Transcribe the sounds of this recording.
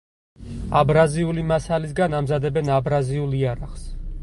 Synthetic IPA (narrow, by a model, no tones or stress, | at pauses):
abɾaziulimasalis̬ɡanamzad̪ɛbɛnabɾaziulˠiaɾaχs